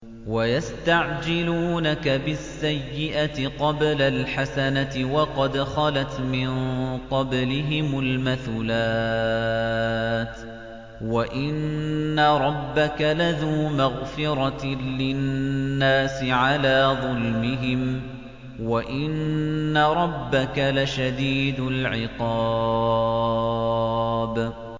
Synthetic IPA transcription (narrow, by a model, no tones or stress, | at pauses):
wajast̪aʕd͡ʒɪluːnakabɪsːajːɪʔat̪ɪqɑblalħasanat̪ɪwɑqɑd̪xɑlat̪mɪnqɑblɪɦɪmʊlmaθuːlaː | t̪ | waʔɪnːaɾˤɑbːakalaðuːmaɣfɪɾˤɑlɪnːaːsɪʕalaːðˤʊlmɪɦɪm | waʔɪnːaɾˤɑbːakalaʃad̪iːd̪ʊlʕɪqɑː | b